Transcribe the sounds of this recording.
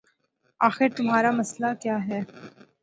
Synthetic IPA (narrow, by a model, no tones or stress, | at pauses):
aːxɪɾt̪ʊmɦaːɾamɐslakjaːɦɛː